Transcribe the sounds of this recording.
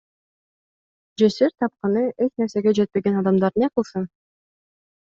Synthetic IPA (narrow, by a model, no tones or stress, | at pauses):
d͡ʒeseɾt̪ʰɑp̚qɑnɯet͡ʃne̞ɾse̞ɡed͡ʒet̪̚pe̞ɡenɑd̪ɑmd̪ɑɾneqɯlˠsɯn